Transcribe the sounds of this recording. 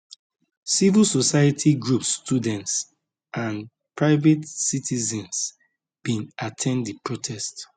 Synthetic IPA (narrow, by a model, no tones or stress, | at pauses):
sivilsosaɪatʰiɡɹupsːtʰudɛ̃nts | ʔãn | pɹaɪvɛtsitʰizɛ̃ns | b̥ĩnatʰɛ̃nddipɹotʰɛst